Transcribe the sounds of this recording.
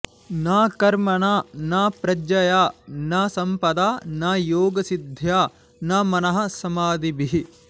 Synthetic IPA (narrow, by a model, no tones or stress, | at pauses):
naːkɐɾmɐɳaːnaːpɾɐd͡ʒɐjaːnaːsɐmpɐd̪aːnaːjoːɡɐsid̪ʱjaː | naːmɐnɐɦɐ̆sɐmaːd̪ibiɦi